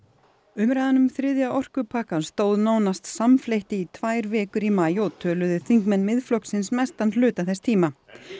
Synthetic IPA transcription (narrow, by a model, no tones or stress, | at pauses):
ʏmɾajðanʏmθɾɪðjaʔɔr̥kʏpʰaːkast̪oːwðnaːwnast̪samflejht̪ɪit̪ʰvaːjɾvɛːkʏɾimaːjɔt̪ʰœːlʏðɪθiŋkmɛnmɪðflɔwksɪnsmɛst̪ant̪lʏːt̪aθɛst̪ʰiːma